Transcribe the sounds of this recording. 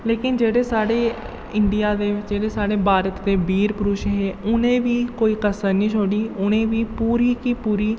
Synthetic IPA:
leːkɪnd͡ʒeːɽeːsaːɽeː | ɪɳɖɪjaːd̪eːʋɪt͡ʃd͡ʒeːɽeːsaːɽeːbʱaːɾət̪d̪eːbiːɾpʊɾuːʃɦeːʊnẽːʋiːkoːiːkəsəɾnĩːt͡ʃʰoːɽiːʊnẽːʋiːpuːɾiːkiːpuːɾiː

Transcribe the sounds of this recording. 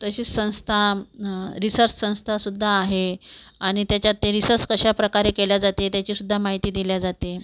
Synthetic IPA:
t̪əɕiːt͡ssə̃w̃st̪ʰa | ɾisəɾssə̃w̃st̪ʰasud̪ʱːaːɦe | aɽ̃it̪jat͡ɕjat̪ːeɾisəɾskəɕapɾəkaɾekeljad͡zat̪et̪jat͡ɕiːsud̪ʱːamaɦit̪iːd̪iljad͡zat̪e

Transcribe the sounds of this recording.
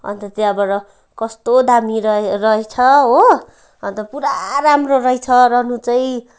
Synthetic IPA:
ʌ̰nt̪ʌt̪jabʌɾʌ | kʌst̪od̪amiɾʌrʌet͡sʰʌɦo | ʌnt̪ʌpuɾaɾamroɾʌjt͡sʰʌɾʌnũt͡sʌj

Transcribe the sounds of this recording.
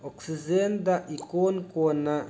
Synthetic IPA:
ɔksizend̪aʔikoːnkona

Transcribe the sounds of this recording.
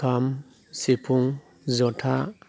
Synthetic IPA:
am | sipʰuŋ | zɔtʰa

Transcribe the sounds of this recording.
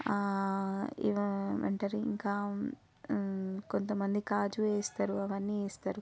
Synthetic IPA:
ḭʋʋḛɳʈɐɾiḭŋkaː | ko̞nt̪ɐmɐnd̪ikaːd͡ʒueːst̪aːɾuɐʋɐnːieːst̪aːɾu

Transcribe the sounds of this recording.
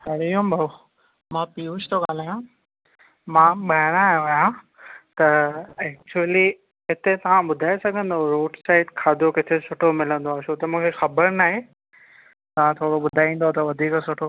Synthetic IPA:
ɦɐɾiũbʱɐ | mãːpiːut͡ʃʰt̪ʰoɠaːl̤aːjã | mãːɓaɦɪɽ̃aːɦjõaːjã | t̪ɐɛːk̚t͡ɕuəli | ɦɪt̪et̪ɐʋ̤ãɓʊd̪ʱaːesɐɡʱə̃nd̪oɾoːɖsaːɪʈkʰaːd̪ʱokɪt̪ʰesʊʈʰomɪlə̃nd̪oaːʃʰot̪ɐmũːkʰexɐbəɾnaːɦe | t̪ɐʋ̤ãt̪ʰoːɽoɓʊd̪ʱaːĩːn̆d̪ot̪ɐʋɐd̪ʱiːksʊʈʰo

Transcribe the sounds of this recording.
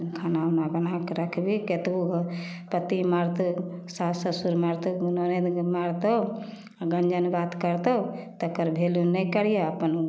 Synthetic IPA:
kʰanawnabənakɾəkʰbiket̪buk | pət̪imaɾt̪osasəsuɾmaɾt̪oɡunoned̪maɾt̪o | ɡənd͡ʒənbat̪kəɾt̪ot̪əkəɾbʱelunɛjkəɽijaəpən

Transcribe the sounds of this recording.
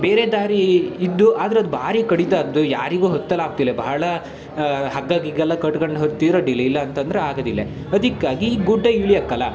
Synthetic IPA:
beːɾeːd̪aːɾiːd̪ːuʔaːd̪ɐɾeɐd̪ubʱaːɾikɐɽit̪aːɾɐd̪uja̰ːɾiɡuːɦɔt̪ːɐlaːk̚t̪ilːebɐɦɐɭɐ | ɦɐɡːaːɡiɡɛlːɐkɐʈkɐɳɖɦoɾt̪ːiːɾoːɖilɐjilːɐːnt̪ɐnd̪ɐɾeaːɡɐd̪ilːe | ɐd̪ikːaːɡiɡuɖːɐiɭijɐkːɐlːɐ

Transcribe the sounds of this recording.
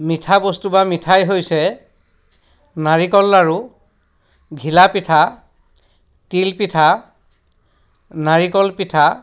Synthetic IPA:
mitʰabostubamitʰajɦojsɛ | naɹikɔlaɹu | ɡʱilapitʰa | tilpitʰa | naɹikɔlpitʰa

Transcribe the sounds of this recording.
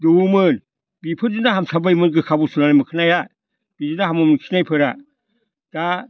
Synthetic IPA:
dumɯn | bipʰɯɾd͡ʒɯnaɦamsʰabajmɯnɡɯkʰabusunanajmɯkʰɯnaja | b̥id͡ʒɯnaɦamɯmɯnkʰinajpʰɯɾa | d̥a

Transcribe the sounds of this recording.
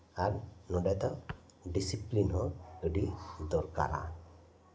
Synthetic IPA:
aɾnɔɖɛt̪a | ɖisiplinɦɔəɖid̪ɔɾka̰ɾa̰

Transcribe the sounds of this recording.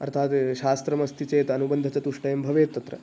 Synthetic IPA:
ɐ̰ɾt̪ʰaːt̪ʃaːst̪ɾɐmɐst̪ʰit͡ʃeːt̪ɐɐnubɐnd̪ʱɐt͡ʃɐt̪uʂʈɐjɐmbʱɐʋeːt̪ːɐt̪ɾɐ̰

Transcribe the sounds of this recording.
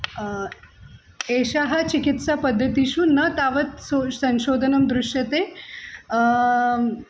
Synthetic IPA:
eːʃaɦɐ̆t͡ʃikit̪sapɐd̪ʱːɐt̪iʃunɐt̪aːʋɐt̪sosɐ̃nʃoːd̪ʱɐnɐmd̪ɾʊʃjɐt̪eː

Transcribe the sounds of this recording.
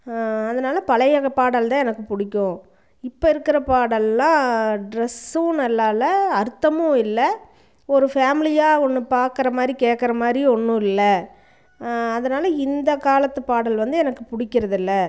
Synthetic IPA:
ɐðɐnaːlɐpɐlɐjɐɣɐpaːɽɐlt̪ãːɛnɐkːɯpʊɽɪkʲːʊ̃ | ɪpːɐɪɾɯkːɪɾɐpaːɽɐlːãːɖɾɛsʊ̃nɐlːaːlɐɐɾt̪ːɐmʊ̃ɪlːɐ | ɔɾɯfaːmɪlɪjaːɔnːɯpaːɾkɪɾɐmaːd̪ɾikeːʈkːɐɾɐmaːd̪ɾiɔnːʊ̃ɪlːɐ | ɐðɐnaːlɐɪnd̪ɐkaːlɐt̪ːɐpaːɽɐlʋɐnd̪ɯɛnɐkːɯpʊɽɪkʲːɪɾɐðɪlːɐ

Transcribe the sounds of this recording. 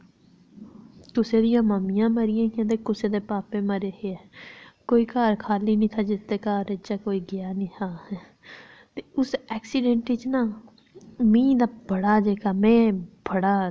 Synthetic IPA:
k̪ʊseːd̪ɪjãːməmɪjãːməɾɪjãːkjãːt̪̬eːkʊseːd̪eːpaːpẽːməɾeːɦeɛːkoːiːkaːɾkʰaːliːnĩːt̪ʰaːd͡ʒɪst̪eːkaːɾet͡ʃaːkoːiːɡɪjaːnĩːt̪ʰaː | t̪eːʊsɛːksiɖɛ̃ɳʈit͡ʃnãː | mĩːd̪aːbəɽaːd͡ʒeːkaːmɛ̃ːbʱəɽaː

